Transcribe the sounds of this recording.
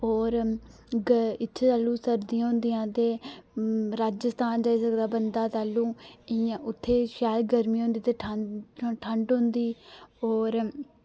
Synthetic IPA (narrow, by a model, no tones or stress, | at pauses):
oːɾ | ɡɪt̪ːʃʰt̪aːlũːsəɾd̪iãɦʊ̃nd̪ijãːt̪eː | ɾaːd͡ʒəst̪aːnd͡ʒaːiːsəkd̪aːbənd̪aːt̪aːlːũːãʊt̪ʰːeːʃaːlɡəɾmĩːɦõːnd̪iːt̪eːʈʰəʈʰəɳɖɦʊ̃nd̪iːoːɾ